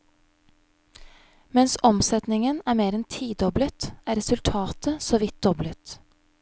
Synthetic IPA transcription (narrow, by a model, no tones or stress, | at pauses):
mɛnsɔmsɛt̪nɪŋənæːɾmeːɾɛnt̪ʰiːd̪ɔblət̪ʔæːɾɛsʉlt̪ʰɑːt̪əsoːʋɪt̪̚d̪̥ɔblət̪